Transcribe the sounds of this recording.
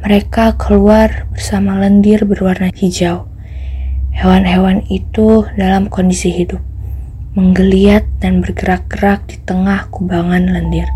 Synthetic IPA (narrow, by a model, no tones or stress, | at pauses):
məɾekakʰəluarbərsamaləndirbərwarnatid͡ʒau | hewanɦewanit̪udalamkondisiɦidʊp̚ | məŋɡəliat̪̚danbərɡəɾak̚ɡ̥əɾak̚dit̪əŋahkubaŋanləndir